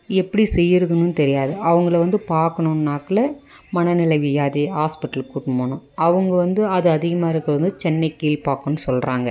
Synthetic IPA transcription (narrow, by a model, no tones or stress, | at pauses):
ɛpːɐɽisɛjːɪɾɐðɯnːɯnt̪ɛɾɪjaːðɯʔɐʋɐŋɡɐɭʋɐnd̪ɯpaːɾkɐɳʊ̃naːkɐlɐ | mɐnɐnɪlɐɪʋɪjaːðiɦaːspɪʈːɐlkuːʈːmoːɳʊ̃ɐʋɐŋɡɐʋɐnd̪ɯɐðɯɐðɪɣɐmaːɪɾɯkːɐʋɐnd̪ɯt͡ʃɛnːɐɪkiːlpaːkːɐnːɯsɔlɾaːŋɡɐ